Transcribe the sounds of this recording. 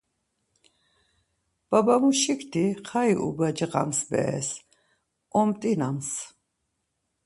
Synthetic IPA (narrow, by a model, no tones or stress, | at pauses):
b̥abamuʃikʰt̪ʰiχʰaiʔṵbad͡ʒəqʼa̰msbɛ̰ɛ̰s | ɔmt̪ʼinams